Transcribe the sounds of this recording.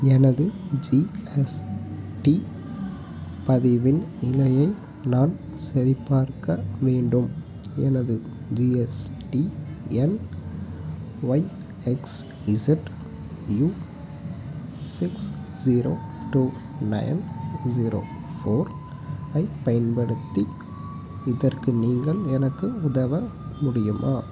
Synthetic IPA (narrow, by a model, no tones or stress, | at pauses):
ɛnɐðɯd͡ʒiɛsʈi | pɐðɪʋɪnɪlɐjɐɪ | naːn | sɐɾɪpːaːɾkɐʋeːɳɖɯm | ɛ̰nɐðɯ | d͡ʒiːɛsʈiɛn | ʋɐɪ | ɛks | ʋɪsɪʈ | juː | sɪksziːɾoː | ʈuː | nɐ̰ɪnziːɾo̰ː | foːɾ | ɐɪpɐjɐnpɐɽɯt̪ːi | ɪðɐrkɯniːŋɡɐɭɛnɐkːɯʊðɐʋɐmʊɽɪjɯmʔa̰ː